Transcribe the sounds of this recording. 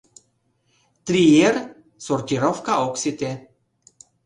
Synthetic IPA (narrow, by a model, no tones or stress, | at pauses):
t̪ɾier | sort̪ʲiɾofkaoksit̪e